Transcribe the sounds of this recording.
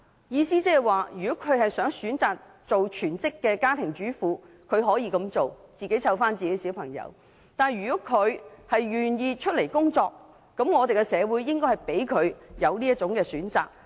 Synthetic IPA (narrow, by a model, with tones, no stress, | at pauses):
jiː˧siː˥t͡sɛː˥hɛ˨˩jwaː˨jyː˨˩kɔ˨˥kʰɵ˨˧ɥhɐ˨jsœː˨˥ŋsyː˨˥nt͡saː˨˩k̚ | t͡so˨wt͡ʃʰyː˨˩nt͡sɪ˥kːɛː˧kaː˥t̪ʰɪ˨˩ŋt͡ʃyː˨˥fuː˨˧ | kʰɵ˨˧ɥɦɔː˨˥jiː˧kɐ˨˧mt͡so˨wt͡siː˨ke˨˥jt͡sʰɐ˧wfaː˥nt͡siː˨ke˨˧˥jsiː˨˥wpʰɐ˨˩ŋjɐ̰˨˧w | t̪aː˨njɥyː˨˩kɔ˨˦˥kʰɵ˨˧ɥhɐ˨jɥyː˨njiː˧t͡ʃʰɵ˥t̚le˨˩jkʊ˥ŋt͡sɔː˧k̚ː | ɐ˨˥mŋɔː˨˧t̪e˨jkɛ˧sɛː˨˧wuː˨˥jːɪ˥ŋkɔː˥jhɐ˨jpe˨˥jkʰɵ˨˧ɥjɐ˨˧wliː˥ɐ˥t̚t͡ʃʊ˨˥ŋkɛː˧syː˨˥nt͡sa̰ː˨k̚